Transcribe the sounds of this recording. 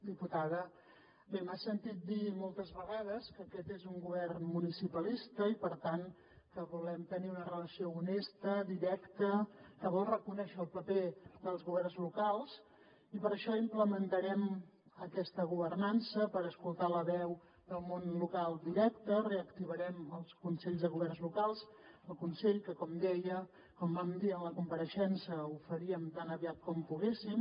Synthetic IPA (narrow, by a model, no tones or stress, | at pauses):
d̪iput̪aðə | bemasənt̪it̪̚d̪imolˠt̪əzβəɣað̞əskəːkɛt̪ezuŋɡuβɛrnmunisipəlist̪əipəɾt̪aŋ | kəβulɛmt̪əniunərələsiounest̪əðiɾɛkt̪əkəβɔlˠrəkunɛʃəːlˠpəpeðəlˠzɣuβ̞ɛrnzlukalˠz | ipəɾəʃɔimpləmənt̪əɾɛm | əkɛst̪əɣuβərnansəpəɾəskulˠt̪aləβɛw | d̪əlˠmonlukalˠd̪iɾɛkt̪əreəkt̪iβəɾɛməlˠskunsɛʎzðəɣuβɛrnzlukalˠs | əlˠkunseʎkəkɔmd̪ɛjə | kɔmbamd̪iənləkumpəɾəʃɛnsəufəɾiəmt̪anəβiat̪̚kɔmpuɣesim